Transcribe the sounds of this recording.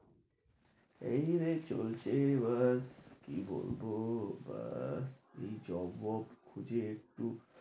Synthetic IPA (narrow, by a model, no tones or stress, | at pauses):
ejɾet͡ɕo̰lt͡ɕʰebəskḭbo̰lbobə̰sejd͡ʒɔbɔpkʰud͡ʑeek̚ʈu